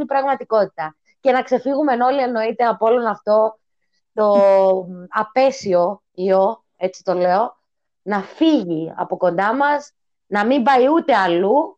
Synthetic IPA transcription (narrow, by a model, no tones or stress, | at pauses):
ibɾɐɣmɐt̪iko̞t̪i̥t̪ɐ | ce̞nɐkse̞fiɣume̞no̞lieno̞it̪e̞ɐpoo̞lo̞nɐft̪o̞ | t̪o̞ | ɐpe̞sio̞ | io̞ | e̞t͡si̥t̪o̞le̞o̞ | nɐfiʝiɐ̰po̞ko̞nd̪ɐmɐz | nɐmimbɐiut̪e̞ɐlu